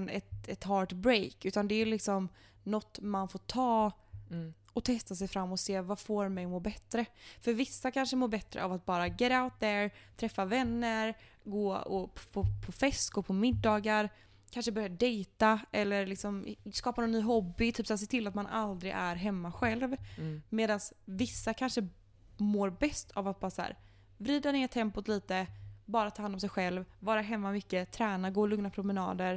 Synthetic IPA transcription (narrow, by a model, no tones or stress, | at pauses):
nɛt̪ɛt̪ɦɑːʈbɾejkʉ̟ːt̪and̪ɛlɪksɔm | nɔt̪ːmanfoːʈʰɑː | ɔt̪ʰɛst̪as̬ɛjfɾamːɔseːvafoːɾmɛjmoːbɛt̪ːɾəfœɾvɪsːakʰanʂəmoːɾbɛt̪ːɾə̰a̰vat̪̚bɑːɾaɡɛɾaʊt̪̚d̪æɾt̪ʰɾɛfːavɛnːəɾ | ɡoːɔ̰pʰpʰɔpʰɔfɛst̪ɡ̥oːpʰɔmɪd̪ːɑːɡaɾ | kʰanʂəbœɾjaɖɛjt̪aʔɛlːəɾlɪksɔmskɑːpanɔnnːyːɦɔbːɪt̪ʰyːpsaːɾs̬eːt̪ʰɪlːat̪manʔa̰ld̪ɾɪɡæɾɦɛmːaɧɛlvmeːd̪ansvɪsːakʰanʂə | moːɾbɛst̪ʰavat̪̚bɑːɾasahæ̰ːɾ | vɾiːd̪aneːɾt̪ʰːɛmpʊt̪liːt̪əbɑːɾat̪ʰɑːhanɔms̬ɛjɧɛlvvɑːɾaɦɛmːamʏkːət̪ʰɾæːnaɡoːlɵŋnapʰɾʊmɛnɑ̰ːd̪əɾ